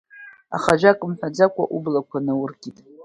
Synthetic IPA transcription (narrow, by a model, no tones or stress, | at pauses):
a̰χaʒʷᶣakʼɨmħʷᶣad͡zakʷʰʼa̰ʔublakʷʰanɨwʊrɡʲʼitʼ